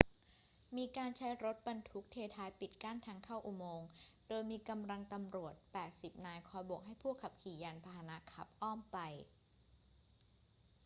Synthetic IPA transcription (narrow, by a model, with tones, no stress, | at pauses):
miː˧kaː˧nt͡ɕʰa˦˥jɾo˦˥t̪̚ba˧nt̪ʰu˦˥k̚t̪ʰeː˧t̪ʰaː˦˥jpi˨˩t̪̚kaː˥˩nt̪ʰaː˧ŋkʰa˥˩wʔu˨˩moː˧ŋdoː˧jmiː˧ka˧mla˧ŋt̪a˧mɾu˨˩ət̪̚pɛː˨˩t̪̚si˨˩p̚naː˧jkʰɔː˧jbo˨˩k̚ɦa˥˩jpʰu˥˩əkʰːa˨˩p̚kʰiː˨˩˦jaː˧npʰaː˧ha˧na˦˥kʰa˨˩p̚ʔɔː˥˩mpa˧j